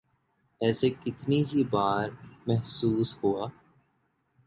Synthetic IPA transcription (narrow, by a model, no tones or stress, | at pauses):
ɛːsekɪt̪niɦibaːɾmɛɦsuːshuaː